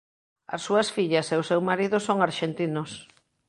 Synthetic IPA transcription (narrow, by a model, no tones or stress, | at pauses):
ɐ̰sːuɐsfiʎɐseʊsewmaɾiðʊsoŋaɾʃent̪inʊs